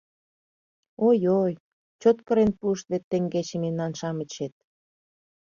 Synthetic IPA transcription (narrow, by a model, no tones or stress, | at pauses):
ojoj | t͡ɕot̪kə̆ɾenpuəʃt̪βet̪ːeŋɡet͡ɕĕmemnɑnʃɑmə̆t͡ɕet̪̚